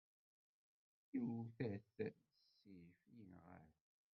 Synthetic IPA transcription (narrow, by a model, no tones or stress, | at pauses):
iwθæθ | sːifjənʁə̰ɾ